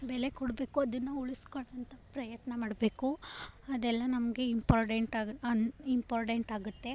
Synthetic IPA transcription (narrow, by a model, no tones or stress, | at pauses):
bɛlekɔɽbe̞ːkuɐd̪ɐnːuuɭiskoɭːɐnt̪ʰɐpɾɐjɐt̪nɐmaːɽbe̞ːkuɐd̪ɛlːɐnɐmɡe̞impaːɾʈeɳʈaɐimpaːɾʈeɳʈaːɡut̪ːe̞